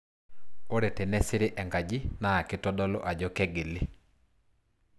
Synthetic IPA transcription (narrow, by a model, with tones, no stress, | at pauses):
o˦ɾe˨tɛ˨nɛ˦sɪ˦ɾe˦ʔɛ˨ŋɡa˨d͡ʒi˦na˦a˨kɪ˦tɔ˦dɔ˦lɔ̰˦ʔa˨d͡ʒɔ˦kɛ˦ɡe˨lɪ˦